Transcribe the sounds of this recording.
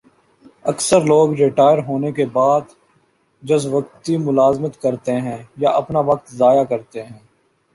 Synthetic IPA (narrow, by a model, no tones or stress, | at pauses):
ɐksəɾloːɡɾɪʈaːjəɾɦoːnekebaːd̪ | d͡ʒɐsʋək̚t̪imʊlaːzmət̪kɐɾt̪eɦɛ̃ːjaʔɐpnaʋɐk̚t̪zaːjakɐɾt̪eɦɛ̃ː